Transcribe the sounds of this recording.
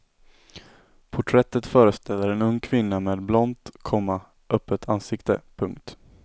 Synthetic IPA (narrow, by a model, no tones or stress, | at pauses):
pʰʊʈʰɾɛt̪ːət̪fœːɾəst̪ʰɛlːəɾɛnɵŋːkʰvɪnːameːd̪blɔnt̪kʰɔmːa | ʔœpːət̪ʰansɪkt̪ə̰pʰɵŋkt̪